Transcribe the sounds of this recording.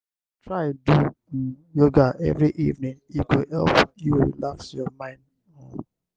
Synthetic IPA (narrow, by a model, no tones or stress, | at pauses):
tɹadu | joɡaʔɛ̰vɹiʔivnĩnikohɛ̰lpjulaksjɔmãɪ̃nd | ɔ̃n